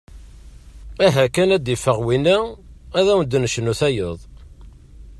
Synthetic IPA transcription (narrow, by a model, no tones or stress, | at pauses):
æɦækænæd̪ifəʁwinææðæwənd̪nəʃnuθæjəðˤ